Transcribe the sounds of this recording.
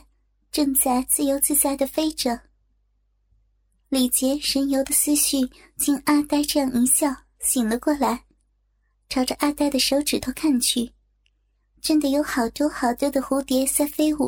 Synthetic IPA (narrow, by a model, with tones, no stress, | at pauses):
ʈ͡ʂɤ˥˧ŋt͡sa˥˩ɪt͡sɹ̩˥˩jo˧˥ʊt͡sɹ̩˥˧t͡sa˥˩ɪd̪ə˨fe˥ɪʈ͡ʂɤ˨˩˦ | li˨˩t͡ɕjɛ˧˥ʂə˧˥njo˧˥ʊd̪ə˨sɹ̩˥ɕy˥˩ | t͡ɕi˥˩ŋa˥˧t̪a˥˧ɪʈ͡ʂɤ˥˧jɑ˥˩ŋi˧˥ɕjɑ˥˩ʊ | ɕi˨˩ŋlə˦kwɔ˥˩la˧˥ɪ | ʈ͡ʂʰɑ˧˥ʊʈ͡ʂə˧ʔa˥˧t̪a˥˩ɪd̪ə˩ʂo˧˥ʊʈ͡ʂɻ̩˨˩t̪ʰo˥kʰa˥˧nt͡ɕʰy˥˩ | ʈ͡ʂə˥nd̪ə˨jo˧˥ʊxɑ˨˩ʊt̪wɔ˥xɑ˨˩ʊt̪wɔ˥˩d̪ə˩xu˧˥t̪jɛ˧˥sa˥˧fe˥ɪu˥˩